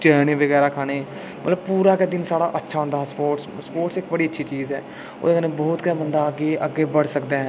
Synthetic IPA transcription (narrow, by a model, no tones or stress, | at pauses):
t͡ʃɛːnẽːʋəɡɛːɾaːkʰaːneː | mət̪ləb̚puːɾaːked̪ɪnsaːɽa̰ːʔətːʃʰaːɦʊ̃nd̪aːɦɛːspoːʈsspoːʈsɪkbəɽiːətːʃʰiːt͡ʃiːzɦɛː | o̰ːd̪enebɔːt̪kɛbənd̪aːɡeːʔəɡːeːbəɽsəkd̪eɦɛː